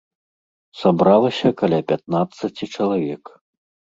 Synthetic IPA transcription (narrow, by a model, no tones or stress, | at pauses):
sabɾalˠɐsʲɐkalʲapʲat̪̚nat̪sɐt͡sʲit͡ʂɐlˠavʲɛk